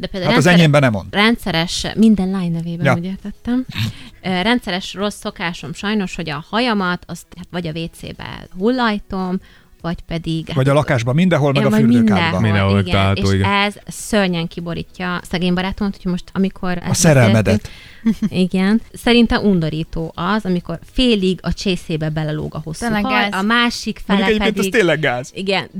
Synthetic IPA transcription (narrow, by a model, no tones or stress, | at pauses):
d̪ɛpeːld̪auaɒzɛɲeːmbɛnɛmonrɛnt̪sɛɾɛʃmind̪ɛnlaːjnːɛveːbɛjuɟɛkɛt̪ːɛm | ɾɛnt̪sɛɾɛʃro̞sːo̞kaːʃo̞mʃɒjno̞ʃho̞ɟɒhɒjɒmɒt̪ɒst̪at̪ʋɒɟɒveːt̪sḛːbɛ̰ɦulːɒjt̪o̞m | vɒcpɛd̪iɡvɒɟɒlɒkaːʒbɒmind̪ɛɦolmɛɡɒfyːlmøːnkaɛbɒmiɛoiɡɛaeoʃiɡɛzsørɲɛŋkibo̞ɾḭːcːɒsɛɡeːmbɒɾaːt̪omɒt̪u̥cʰojmo̞ʃt̪ɒ̰mikʰo̞ɾɛ̰sɛɾɛlmɛd̪ɛt̪ | iɡɛnsɛɾint̪ɛmʔund̪o̞ɾiːt̪oːʔɒzɒmiko̞rfeːliɡɒt͡ʃeːseːbɛbɛlɛlo̰ːɡɒɦosɒmaːʃikfɛlikɛɟepkend̪ɛiɡt̪eːlːɛɡːaːziɡɛn